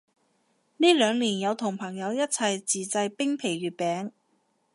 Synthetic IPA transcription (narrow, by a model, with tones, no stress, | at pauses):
niː˥lœː˨˧ŋliː˨˩njɐ˨˧wt̪ʰʊ˨˩ŋpʰɐ˨˩ŋjɐ˨˧wjɐ˥t̚t͡sʰɐ˨jt͡siː˨˩t͡sɐ˧jpɪ˥ŋpʰe˨˩jɥyː˨˩t̚pɛː˨˥ŋ